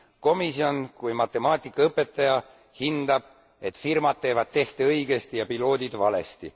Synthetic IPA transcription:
ko̞misio̞nkujmɑt̪ːˑe̞mɑːt̪ʲˑikːˑɑɤpːˑe̞t̪ːˑɑjɑ | hind̪̥ɑb̥̚ | e̞t̪ˑfirmɑd̪̥̚t̪ːe̞ːvɑd̪̚t̪e̞ht̪eɤjɡ̥e̞st̪ijɑpilo̞ːd̪id̪vɑle̞̰st̪ḭ

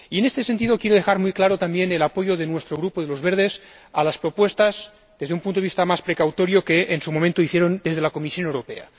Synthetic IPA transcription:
ienest̪e̞s̬ent̪̬ið̞okjeɾoðexaɾmujklaɾot̪ambjenelapo̞ʝoðenwest̪ɾoɣɾupoðelozβeɾð̞es | alaspɾopwest̪az | ðezðeumpunoist̪amaspɾekawt̪oɾjokeʔensumomẽnt̪oiθjeɾond̪ezðelakomisjo̞newɾopḛa̰

